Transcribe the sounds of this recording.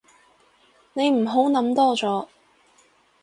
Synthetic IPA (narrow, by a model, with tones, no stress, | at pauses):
ne˨˧jm̩˨˩ɦo˨˥wnɐ˨˥mt̪ɔː˥t͡sɔː˨˥